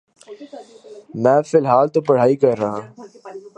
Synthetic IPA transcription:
mɛ̃ːfɪlɦaːlt̪opɐɽ̤aːikɐɾːɐɦãː

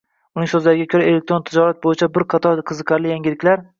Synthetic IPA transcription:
ʊnɪŋsɵzlaɾɪɡʲakʰoɾae̞lek̚t̪ɾo̞nt̪ʰɪd͡ʒɒɾat̪̚bojɪt͡ʃʰabɪɾqʰɑt̪ʰɒɾqʰɨzɨqʰɑɾlɪjaŋɡʲɪlɪkʲlaɾ

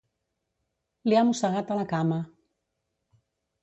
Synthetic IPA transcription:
liamusaɣat̪alakama

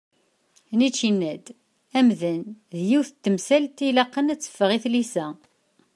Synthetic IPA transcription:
nit͡ʃːinːæd̪ | æmðənðjiwθət̪ːəmsælt̪ilɑqːənæt͡sːə̥fːəʁiθlisæ

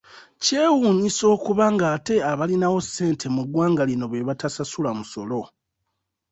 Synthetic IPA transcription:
ce̞ːwuːɲiso̞ːkuβaŋɡaːte̞aβalinawo̞se̞ːntʰe̞muɡwaːŋɡalino̞βwe̞βatasasulamuso̞lo̞

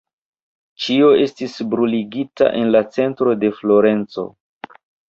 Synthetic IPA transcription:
t͡ʃio̞e̞stisbɾuliɡita̰ʔe̞nlat͡se̞ntɾo̞de̞flo̞ɾe̞nt͡so̞̰

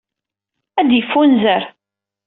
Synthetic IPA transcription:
æd̪jəfːunzəɾ

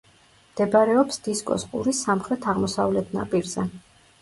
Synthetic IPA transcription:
md̪̥ɛbaɾɛɔpsd̪̥iskʼɔ̰sqʼṵɾisːamχɾɛt̪ʰaʁmɔsavlɛt̪ʰna̰pʼiɾzɛ

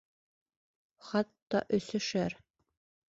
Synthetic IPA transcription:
χɑt̪ːɑ̰ʔɵ̆sɵ̆ʃæɾ

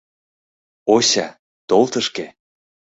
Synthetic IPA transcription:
oɕɑ | t̪olt̪əʃke

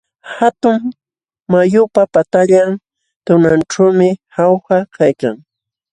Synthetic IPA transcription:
hat̪ʊŋ | majʊpapat̪aʎan | t̪ʊnanʈ͡ʂawmɪhawxakʰajkaŋ

